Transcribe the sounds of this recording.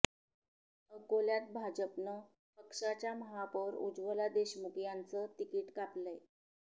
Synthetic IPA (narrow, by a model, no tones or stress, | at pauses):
əkoljat̪̚bʱad͡ʑəpnə | pəkʂat͡ɕjaməɦapəɾṵd͡zʋəlad̪eɕmukjant͡sət̪ikiːʈkapləj